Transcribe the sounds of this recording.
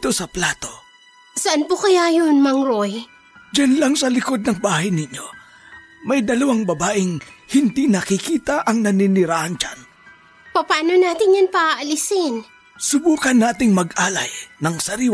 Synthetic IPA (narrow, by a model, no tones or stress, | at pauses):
t̪o̞sɐplaːt̪o̞ | sɐʔanpokɐjajonmɐŋɾoj | d͡ʒɐnlaŋsɐlɪko̞d̪̚nɐŋbaːhɐjnɪɲo̞ | mɐjd̪ɐlɐwaŋbɐbaːʔɪŋhɪnd̪inɐkɪkiːt̪ɐʔɐŋnɐnɪnɪɾaːʔɐnt͡ʃa̰n | pɐpaːnonaːt̪ɪnjɐnpɐʔaʔɐlɪsɪn | sʊbuːkɐnːaːt̪ɪŋmɐɡʔaːlɐjnɐŋsɐɾiw